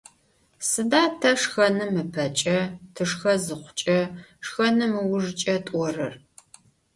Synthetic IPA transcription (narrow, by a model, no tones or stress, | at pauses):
sɨdaːtʰɐʂxɐnɨmɨpʰɐt͡ʃʼɐtʰɨʂxɐzɨqʷʊ̥t͡ʃʼɐʂxɐnɨmɨwʊʐt͡ʃʼɐtʷʼɔrɨ̰r